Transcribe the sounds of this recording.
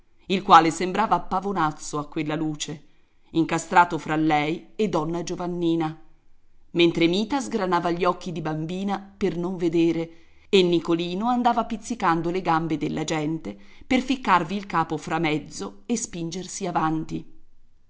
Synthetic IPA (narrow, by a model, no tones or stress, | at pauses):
ilkwaːlesembɾaːvapːavonat̪sːoakːwelːaluːt͡ʃe | iŋkast̪ɾaːt̪ofɾalːɛjed̪ːɔnːad͡ʒovanːiːna | ment̪ɾemiːt̪azɡɾanaːvaʎːiɔkːid̪ibambiːnapernoɱved̪eːɾe | enːikoliːnoand̪aːvapit̪sːikand̪oleɡambed̪elːʔad͡ʒɛnt̪eperfikːarviːlkaːpofɾamɛd̪zːoespind͡ʒersiavant̪i